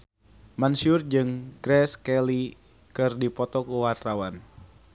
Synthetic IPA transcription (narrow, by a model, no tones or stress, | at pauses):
mansʊrd͡ʒɨŋɡ̥ɾɛskɛli | kɨrdipɔt̪ɔkuwart̪awan